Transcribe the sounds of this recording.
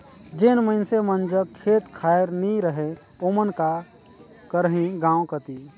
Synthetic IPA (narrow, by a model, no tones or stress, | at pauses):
d͡ʒenməɪnsemənd͡ʒəkʰːeːt̪kʰaːjɾnĩɾəɦe | oːmənka | kəɾɦĩɡãːwkət̪i